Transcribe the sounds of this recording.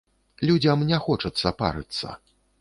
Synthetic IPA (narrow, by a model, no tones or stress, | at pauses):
lʲud͡zʲɐmnʲɛxɔt͡ʂɐt̪sːɐpa̰ɾɨ̰t̪sːɐ̰